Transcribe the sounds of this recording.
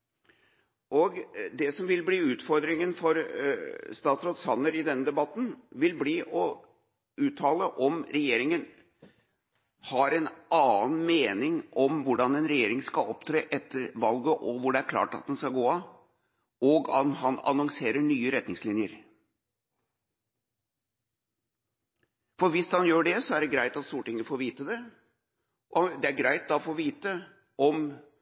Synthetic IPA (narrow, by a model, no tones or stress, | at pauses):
ʔɔɡd̪ɛsɔmʋɪlbliːʉːt̪fɔɾd̪ɾɪŋənfɔɾ | st̪ɑːt̪sɾɔt̪sɑnːəɾɪd̪ɛnːəd̪ɛbɑt̪ːn̩ʋɪlbliːʔɔ | ʉːt̪ʰɑːləʔɔmɾɛjeːɾɪŋən | hɑɾɛnɑːnmeːnɪŋʔɔmʋʊɖɑnɛnɾɛjeːɾɪŋskɑɔpt̪ʰɾeːʔɛt̪ʰːəɾʋɑlɡəʔɔʋʊɖɛæɾkʰlɑ̰ːʈɑ̰t̪̚d̪ɛnskɑɡoːɑ | ɔɡɑ̰mɦɑnɑ̰nɔŋseːɾəɳyːəɾɛt̪nɪŋslɪnjəɾ | fɔɾʋɪshɑnjøːɖɛsɔæɖɛɡɾæɪt̪ɑt̪st̪uːɾəʈɪŋːəfoːɾʋiːt̪əd̪ɛ | ʔɔd̪ɛæɾɡɾæɪt̪̚d̪ɑɔfoːʋiːt̪ə | ɔm